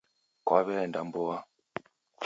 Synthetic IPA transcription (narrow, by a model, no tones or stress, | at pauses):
kwaβɛndambɔa